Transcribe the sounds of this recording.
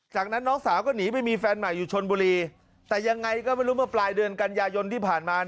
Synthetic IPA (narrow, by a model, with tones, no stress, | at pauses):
t͡ɕaː˨˩k̚na˦˥nːɔː˦˥ŋsaː˩˦wkɔː˥˩niː˩˦pa˧jmiː˧fɛː˧nma˨˩jːuː˨˩t͡ɕʰo˧nbuː˧ɾiː˧ | t̪ɛː˨˩ja˧ŋːa˧jkɔː˥˩ma˥˩jɾuː˦˥mɯ˥˩ɐplaː˧jdɯ˧ənka˧njaː˧jo˧nt̪ʰiː˥˩pʰaː˨˩nmaː˧